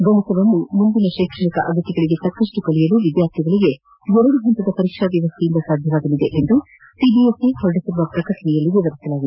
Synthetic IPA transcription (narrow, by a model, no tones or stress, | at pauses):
bɐɦɐsɐʋɐmumund̪inɐʃeːkʂɐɳikɐʔɐɡ̪ʱɐt̪iɡɐɭiɡe̞t̪ɐkːɐʂʈukɐlijɐluʋid̪jaːɾt̪ʰiɡɐɭiɡe̞ | ɦɔɾɐɽuɡʱɐnt̪ɐd̪ɐpɐɾiʃɾaʋjɐʋɐst̪ʰijind̪ɐsaːd̪ʱjɐʋaːɡ̪ɐlid̪eʔend̪u | sibijesihɔɾɐɽisiɾuʋɐpɾɐkɐʈɐnɛjɐlːiʋiʋɐɾisɐlaːɡid̪e